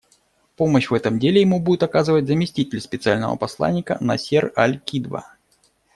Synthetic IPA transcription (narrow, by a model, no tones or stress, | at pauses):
poməɕvɛt̪əmdʲelʲɪjɪmubudʲɪt̪ɐkazɨvətʲzəmʲɪsʲtʲitʲɪlʲspʲɪt̪sɨalʲnəvə̰pɐslˠa̰nʲːɪkə̰nɐsʲeralʲkʲid̪və̰